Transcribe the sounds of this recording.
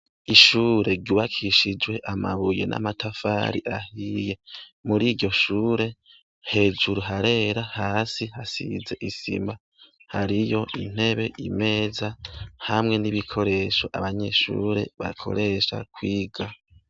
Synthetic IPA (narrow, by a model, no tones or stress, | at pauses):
iʃuːɾe̞ɾɟuːβakʰiʃid͡ʒwe̞ʔamaβuje̞̰nʔa̰matʰafa̰ːɾiʔahije̞muɾiːɾɟo̞ʃuːɾe̞ | he̞ːd͡ʒuɾuɦaɾe̞ɾahaːsihasḭze̞ʔisḭmba | haɾijo̞ʔin̥he̞βe̞ʔime̞ːzahamŋe̞niβikʰo̞ɾe̞ʃoʔaβaɲe̞ːʃṵːɾe̞̰βa̰kʰo̞̰ɾe̞ʃa̰kwiːɡa